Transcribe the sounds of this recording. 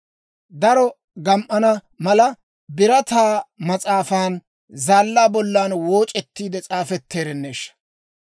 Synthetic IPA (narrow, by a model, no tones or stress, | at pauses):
d̪ɐɾɔ | ɡɐmʔɐnɐ | mɐlɐ | bɪɾɐt̪aːmɐt͡sʼaːfaːn | zaːlːaːbɔlːaːnwoːt͡ʃʼɛt̪ːiːd̪ɛt͡sʼaːfɛt̪ːeːɾɛnːeːʃɐ̥